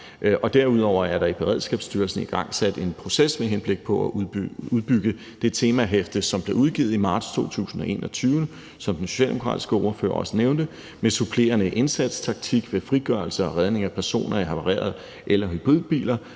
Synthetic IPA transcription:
ʔɒ̽d̥æɐ̰uð̞̰ˠɒʊ̰ɐæɐɾ̥ɑ̈ib̥e̝ʁɛð̞̰ˠsɡ̥ɛ̰ːb̥sd̥yːɐlsn̩iɡ̥ɑ̈ŋ̰sæd̥e̝npʰʁo̝sesmeɦenb̥le̝ɡ̥̚pʰɒ̽æuuðˠb̥yɡ̥ə | d̥e̝t͡sʰe̝ːmæɦefd̥əsɒ̽mb̥le̝uð̞ˠɡ̥ḭːð̩ˠimɑ̈ːd̥st͡sʰo̝̰ːt͡sʰṵːsn̩ɒ̽e̝̰ːnʔɒt͡sʰyːʊn | sɒ̽md̥enso̝ɕɛ̰ld̥emo̝kʰʁɑ̰̈ːd̥i̥sɡ̥əɒʊɐfø̰ːɐɒ̽səneʊnd̥ə | mesupʰle̝̰ːɐnəʔe̝nsæd̥st͡sʰɑ̈ɡ̥̚t͡sʰiɡ̥ʋe̝fʁiɡ̥ɶɐlsəɒ̽ʁæð̞ˠne̝ŋæpʰæɐso̝̰ːnʔɐiɦɑpʰɑ̈ʁḛːɐð̩ˠ | ʔelɐɦyb̥ʁiðˠb̥ḭːlɐ

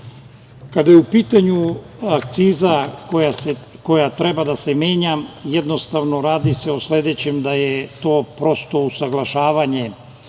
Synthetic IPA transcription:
kad̪ajeupiːt̪aɲu | akt̪siːzakojase | ko̞jat̪ɾe̞bad̪ase̞meːɲamjed̪no̞st̪aʋnoɾaːd̪ise̞oslʲe̞d̪et͡ɕemd̪ajet̪o̞ːpɾo̞st̪o̞usaɡlˠaʃaːʋaɲe̞

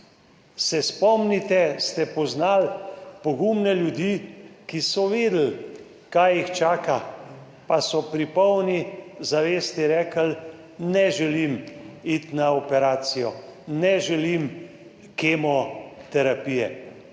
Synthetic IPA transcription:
sɛspɔmnit̪ɛst̪ɛpɔznalpɔɡumnɛljud̪iːkisɔʋeːd̪l̩ | kajixt͡ʃaːka | pasɔpɾipɔwnizaʋeːst̪iɾɛːkəl | nɛʒɛlimit̪naɔpɛɾaːt̪sijɔnɛʒɛlim | keːmɔt̪ɛɾapiːjɛ

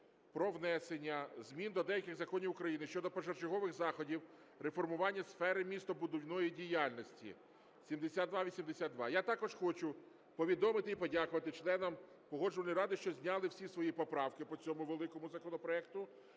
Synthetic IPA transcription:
pɾɔʋnɛsenʲːɐzmʲind̪ɔd̪ɛjɐkɪɣzɐkɔnʲiwʊkɾɐjinɪʃt͡ʃɔd̪ɔpɔʒɐrt͡ʃɪɦɔʋɪxzɑxɔdʲiw | ɾefɔrmʊʋɑnʲːɐsfɛɾɪmʲist̪ɔbʊd̪ɔwnɔjidʲijalʲnɔsʲtʲḭ | sʲimd̪esʲad̪d̪ʋɑʋʲisʲimd̪esʲad̪ʋɑjat̪ɑkɔʒxɔt͡ʃʊ | pɔʋʲid̪ɔmɪt̪ɪipɔdʲakʊʋɐt̪ɪt͡ʃlˠɛnɐm | pɔɦɔd͡ʒʊʋɐnʲiɾɑd̪ɪʃt͡ʃɔzʲnʲɑlˠɪwsʲisʋɔjipɔpɾɑwkɪpɔt͡sʲɔmʊʋelˠɪkɔmʊzɐkɔnɔpɾɔɛk̚t̪ʊ

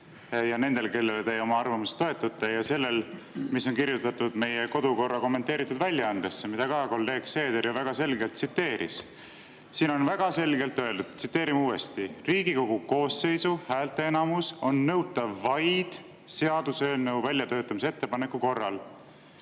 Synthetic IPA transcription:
jɑne̞nd̪̥e̞lke̞lːe̞lt̪e̞jo̞mɑɑrvɑmust̪o̞e̞t̪ːˑut̪ːˑɑjɑse̞lːe̞l | misːo̞nkiɾjut̪ːˑɑt̪ːud̪̥me̞jeko̞d̪uko̞rːɑko̞mːent̪eːɾit̪ːˑud̪̥vælʲːjɑɑnd̪̥esːemid̪̥ɑkɑko̞lːe̞ːɡ̥se̞ːd̪eɾjuvæɡ̥ɑse̞lɡe̞lt̪sit̪ːe̞ːɾʔḭs | siːno̞nvæɡ̥ɑse̞lɡe̞lt̪ːˑø̞e̞ld̪ud̪̥̚t̪sit̪ːe̞ːɾimuːe̞̰st̪iriːɡiko̞ɡ̥uko̞ːsːe̞jsuhæːlt̪ːˑeenɑmuso̞nːɤ̞wt̪ːˑɑvvɑjd̪̥ | se̞ɑd̪̥usøːneuvælʲjɑt̪ø̞ːt̪ːˑɑmis̬eet̪ːe̞pɑne̞kːˑuko̞rːɑl

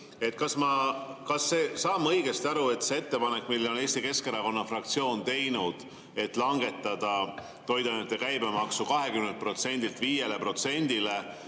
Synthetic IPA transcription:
e̞t̪ːˑkɑsmɑkɑsːe̞ːsɑːmːɤjɡ̥e̞st̪ɑɾue̞t̪se̞e̞t̪ːe̞pɑnekːˑmilːo̞neːst̪ike̞skeɾɑko̞nːɑfrɑkt̪sio̞ːnt̪e̞jnud̪̥ | e̞t̪ːˑlɑŋɡe̞t̪ːˑɑd̪̥ɑ | t̪o̞jd̪ɑjnut̪ːˑe̞kæjbe̞mɑksukɑɦe̞kymnent̪̚pro̞t̪se̞nʲd̪ilt̪viːje̞le̞pro̞t̪se̞nʲd̪̥ile̞

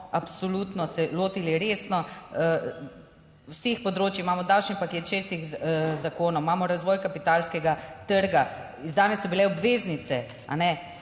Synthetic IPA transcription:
apsolut̪nɔsɛloːt̪iliɾeːsnɔ | sexpɔd̪ɾoːt͡ʃjimaːmɔd̪awt͡ʃnipakeːt̪ʃeːst̪ixzakoːnɔwmaːmɔɾazʋɔːjkapit̪aːlskɛɡat̪əɾɡa | izd̪aːnɛsːɔbilɛɔbʋeːznit̪sɛ | a̰nɛ

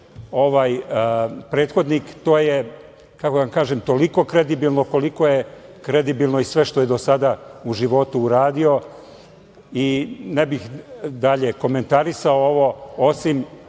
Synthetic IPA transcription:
o̞ʋaːj | pɾe̞ːt̪xo̞d̪nikt̪o̞ːje | kako̞d̪aʋamkaːʒemt̪o̞liko̞kɾed̪ibilˠno̞ko̞liko̞jekɾed̪ibilˠno̞isʋe̞ʃt̪o̞jed̪o̞sad̪auʒiʋo̞t̪uːɾaːd̪io̞ | inebixd̪aʎe̞ko̞me̞nt̪aɾisaooʋo̞osim

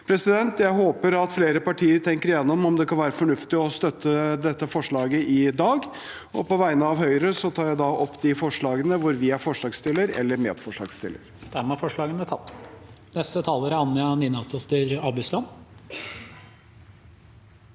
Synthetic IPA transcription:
pʰɾɛsɪd̪ɛnt̪jæɪɦoːpəɾɑt̪fleːɾəpɑʈʰiːəɾt̪ʰɛŋkəɾjɛnːɔmɔmd̪ɛkʰɑnʋæːɾəfɔɳʉft̪ɪɔst̪œt̪ʰːəd̪ɛt̪ːəfɔʂɭɑːɡəʔɪd̪ɑːɡ | ɔpʰɔʋæɪənəɑʋhœʏɾəsɔt̪ʰɑːɾjæɪd̪ɑʔɔpːd̪ɪfɔʂɭɑːɡənəʋʊɾʋɪæɾfɔʂɭɑːɡst̪ɪlːəɾɛ̰lːəɾmḛːd̪fɔʂɭɑ̰ːɡst̪ɪ̰lːə̰ɾd̪̥æmæɾfɔʂɭɑːɡənət̪ʰɑt̪ː | nɛst̪ət̪ʰɑːləɾəɑnːɑnɪnɑst̪ɔst̪əɾɑbɪslɑn

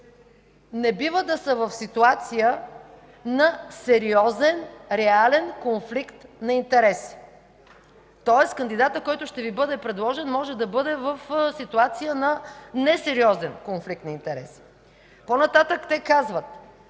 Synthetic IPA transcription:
nɛbivəd̪ɐsəvɐfsit̪uat̪sijə | nɐsɛɾiɔzɛnɾɛalɛnkonflikt̪nɐint̪ɛɾɛsi̥ | t̪ɔɛskənd̪id̪at̪əkɔjt̪ʊʃt̪ɛvibɤd̪ɛpɾɛd̪lˠɔʒɛnmɔʒɛd̪ɐbɤd̪ɛvəfsit̪uat̪sijənɐnɛsɛɾiɔzɛnkonflikt̪nɐint̪ɛɾɛ̰si̥ | ponɐt̪at̪əkt̪ɛkazvət̪

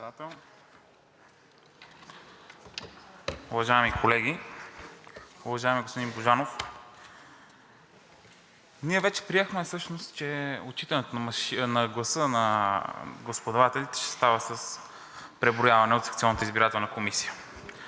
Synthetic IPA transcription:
at̪ɛlˠ | uvɐʒaɛmikʰolɛɡʲi | ʊvɐʒaɛmiɡospod̪inboʒanof | niɛvɛt͡ʃɛ̥pɾiɛxmɛsɤʃnost̪t͡ʃɛot͡ʃit̪ənɛt̪onɐmʃinɐɡlˠɐsɤnɐ | ɡospod̪ɐvat̪ɛlʲit̪ɛ̥ʃɛ̥st̪avəsəs | pɾɛbɾojavɐnɛot̪sɐkt̪iɔlnət̪əizbiɾat̪ɛlˠnəkomisijə

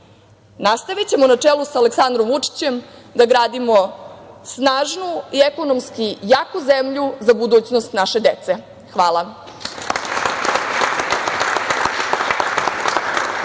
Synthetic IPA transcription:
nast̪aʋit͡ɕemonat͡ʂeːlusaaleksand̪ɾomut͡ʂi̥t͡ɕe̞md̪aɡɾaːd̪imosnaːʒnuieko̞nomskijaːkuzemʎuzabud̪uːt͡ɕnost̪naʃe̞d̪et̪se̞ | xʋaːlˠa

